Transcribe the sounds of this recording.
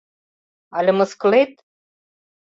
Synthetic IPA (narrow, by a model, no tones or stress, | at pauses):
ɑlʲɘ̆mɤ̆skɤ̆let̪̚